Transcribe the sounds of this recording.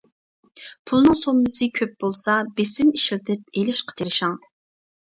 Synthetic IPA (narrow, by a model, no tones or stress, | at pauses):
pʰulˠnɨŋsombɨsɨkʲʰøp̚bolˠsɑbesɪmiʃlɪt̪ʰɪp̚elɪʃqʰə̥t͡ʃ̪ʰiɾɪʃɑŋ